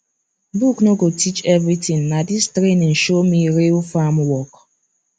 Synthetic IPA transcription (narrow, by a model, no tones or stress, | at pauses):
buknoɡotʰit͡ʃɛvɾitĩŋnadistɾenĩn̩ʃomiɾilfamwɔk